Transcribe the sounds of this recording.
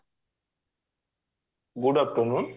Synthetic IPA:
ɡuɖap̚ʈɔnun

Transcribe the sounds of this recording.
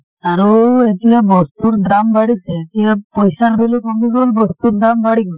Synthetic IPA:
aɾoet̪ijabɔst̪uɾdɾambaɽitʰeet̪iapɔjsaɾbelikɔmiɡolbɔst̪uɾd̪ɾambaɽik

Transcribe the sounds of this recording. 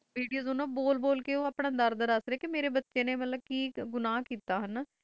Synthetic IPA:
ʋiːɖijoːzoːnãːboːlboːlkeːoːaːpɳãːd̪əɾd̪əɾəsɾeːkɪmeːɾeːbətːʃẽːneːmət̪ləb̚kiːɡʊnaːkiːt̪aːɦən

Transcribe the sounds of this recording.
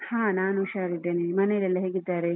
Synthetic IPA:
hãːnaːnuʃaːɾiʈːeːnimɐnejlɛlːɐɦeːɡid̪ːaːɾe

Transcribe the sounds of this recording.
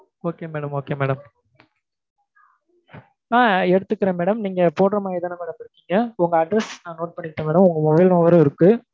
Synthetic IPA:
oːkeːmeːɽɐmoːkeːmeːɽɐm | aːɛɽɯt̪ːɯkːɪɾɐmeːɽɐmniːŋɡɐpoːʈɐɾɐmaːɪðɐnɐmeːɽɐmɪɾɯkːiːŋɡɐʊŋɡɐɐɖɾɛsnãːnoːʈ̚pɐɳːɪʈːẽmeːɽɐmʊŋɡɐmɔbɐɪlnɔʋɐɾɐ̃ɪɾɯkːɯ

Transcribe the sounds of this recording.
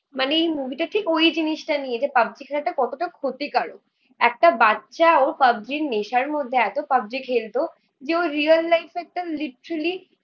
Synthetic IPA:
maneejmubʱiʈaʈʰikojd͡ʑiniʃʈanied͡ʑepab̚d͡ʑikʰelaʈakɔt̪oʈakʰot̪ikaɽo̰ | ɛk̚ʈabatːɕaoɾpab̚d̪ɾiɾneʃaɾmod̪ʱːeɛt̪opab̚d͡ʑikʰelt̪o | d͡ʑeoɾːialːajfɛk̚ʈaliʈɾali

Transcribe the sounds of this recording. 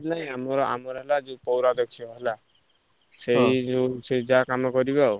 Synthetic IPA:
laj̃amɔɾɔa̰mɔɾɦɛlad͡ʒũpɔwɾad̪ɔkʰiɔɦela | sejused͡ʒakamɔkɔɾibao

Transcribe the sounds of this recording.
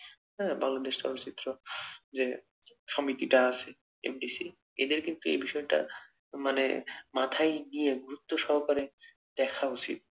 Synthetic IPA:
ɦɛbaŋlad̪eʃʈa̰ɾoɾt͡ɕit̪ːɾod͡ʑe | ʃɔmit̪iʈaasʰe | ḛmɖisi | ḛd̪eɾkint̪uḛjbiʃɔeʈa̰ | manḛmat̪ʰajnijeɡuɾut̪ːoʃɔɦkaɾe | d̪̥ɛkʰaot͡ɕḭt̪̚

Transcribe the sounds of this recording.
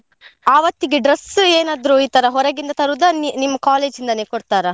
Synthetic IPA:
aːʋɐt̪ːiɡeɖɾɐseːnaːd̪ɾuiːt̪ɐɾɐɦɔɾɐɡind̪ɐt̪ɐɾud̪ɐnnimːɐkaːle̞ːd͡ʒind̪ɐneːkoɽt̪aːɾɐ

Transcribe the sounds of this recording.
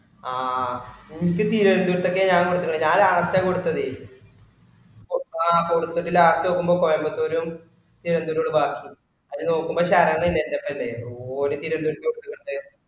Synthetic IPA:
aːikːɨt̪iːɾɐnd̪uɾɐt̪ːok̬ːeɲaːŋkoɽut̪ːukːŋɐɳɲaːlaːɳɐstakoɽut̪ːɐðɨ | oakoɽut̪ːɐʈːilaːɐstoːkːumbo̞ːkomɐmbɐt̪ːoːɾum | t̪iːɾɐnd̪uːɾoːɽɨbaːkːi | ɐðɨno̞ːkːumbo̞ːɕaːɾɐŋːɐɭilːendepːɐɐlːeoːnut̪iːɾɐnd̪uɾɐkʲːekoɽt̪ːukːoɽɐt̪ːe

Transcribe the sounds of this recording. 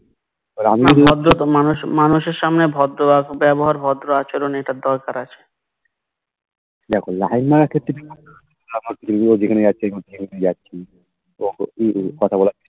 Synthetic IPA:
oɾamiaɔd̪ɾomanuʃmanuʃeɾʃamnebʱɔd̪ɾoakbɛboɦaɾbʱɔd̪ɾoat͡ɕoɾoneʈad̪ɔɾkaɾat͡ɕʰe̥ | d̪ɛkʰola̰jnmaɾakʰet̪ɾibikut̪oiamokiumiod͡ʒekʰaned͡ʑatːʃʰiamiod͡ʑekʰik̪d͡ʑatːɕʰi | okɔt̪ʰabɔlatːʰi̥

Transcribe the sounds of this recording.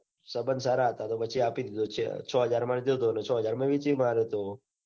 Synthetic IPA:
səbənsaɾaɦət̪at̪opət͡ʃʰiapid̪id̪ot͡ʃʰḛt͡ʃʰɔɦəd͡ʒaɾmand̪od̪onet͡ʃʰɔɦəd͡ʒaɾmãʋit͡ʃimaɾet̪o

